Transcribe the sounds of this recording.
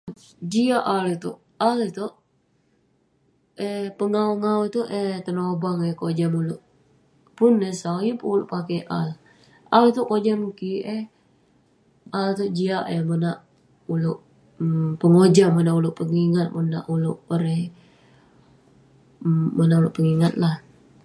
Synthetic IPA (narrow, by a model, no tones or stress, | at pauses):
d͡ʒiaʔalit̪uʔ | alit̪oʔ | ɛpəŋauŋaut̪uʔɛt̪ənobaŋɛhkod͡ʒamulʊʔ | pʊnːesawjipuulṵʔpakeʔal | alit̪uʔkod͡ʒamkiʔɛ | ʔalt̪uʔd͡ʒiaʔehmənaʔ | ulʊʔ | pəŋod͡ʒamənaʔulʊʔpəŋiŋat̪̚məna̰ʔulʊʔəɾɛh | mənaʔulʊʔpəŋiŋat̪̚lah